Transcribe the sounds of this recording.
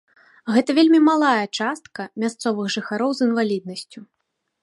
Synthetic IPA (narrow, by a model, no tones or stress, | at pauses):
ɣɛt̪ɐvʲelʲmʲimalˠajɐt͡ʂast̪kɐmʲast̪sɔvɨɣʐɨxaɾɔwzɨnvalʲid̪̚nɐsʲt͡sʲu